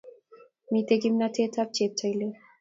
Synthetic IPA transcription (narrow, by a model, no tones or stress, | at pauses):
mit̪eɡimnat̪ʰet̪ʰap̚t͡ɕet̪̚t͡ɕajle